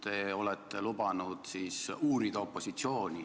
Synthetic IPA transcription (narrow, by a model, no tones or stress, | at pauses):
t̪eo̞lɛt̪ːelubɑnud̪̥siːsuːɾid̪̥ɑo̞pːo̞sit̪sio̞ːnʲi